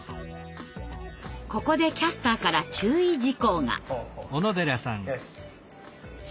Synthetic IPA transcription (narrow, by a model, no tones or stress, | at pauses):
ko̞ko̞d̪e̞kʲasɨ̥t̪akaɾat͡ɕɨːid͡ʑiko̞ːŋa̰onod̪eɾasãŋ